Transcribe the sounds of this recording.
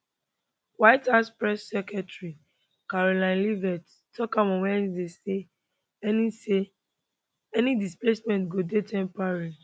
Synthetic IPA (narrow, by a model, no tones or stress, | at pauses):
wajthaspɹɛsːɛkɛtɹi | kaɹolãɪ̃nlivɛt | tɔkãmɔ̃wɛ̃dese | ɛnise | ɛnidisplesmɛ̃ntɡodetɛ̃mpaɹi